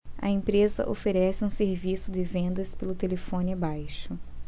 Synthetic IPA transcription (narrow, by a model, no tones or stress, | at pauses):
ɐ̰ẽpɾezɐ̰ʔofeɾɛsɪũseɾvisʊd̪ɪvẽnd̪ɐspelʊt̪elefõnɪabajʃʊ